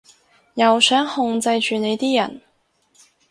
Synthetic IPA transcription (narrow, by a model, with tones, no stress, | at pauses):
jɐ˨wsœː˨˥ŋhʊ˧ŋt͡sɐ˧jt͡ʃyː˨ne˨˧jt̪iː˥jɐ̰˨˩n